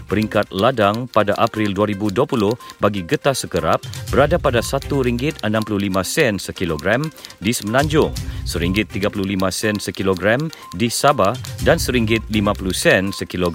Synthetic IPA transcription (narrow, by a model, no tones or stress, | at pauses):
pəɾiŋkat̪̚ladaŋpadaʔapɾilduaɾibuduapulʊhbaɡiɡət̪asəkəɾap̚bəɾadapadasat̪uɾiŋɡɪt̪̚ənãmpuluhlimãsɛnsəkiloɡɾamdisəməlãɲd͡ʒʊŋsəɾiŋɡɪt̪ːiɡapuluhlimãsɛnsəkiloɡɾam | disabahdansəɾiŋɡɪt̪̚limãpuluhsɛnsəkiloɡ